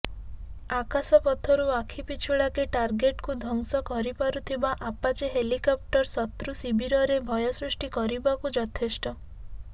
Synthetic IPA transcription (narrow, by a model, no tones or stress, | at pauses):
akasɔpɔt̪ʰɔɾuakʰipit͡ʃʰuɭakeʈaɾɡeʈkud̪ʱɔŋsɔkɔɾipaɾut̪ʰibaʔapat͡ʃeɦelikɔp̚ʈɔɾsɔt̪ɾusibiɾɔɾebʱɔjɔsɾusʈikɔɾibakud͡ʒɔt̪ʰesʈɔ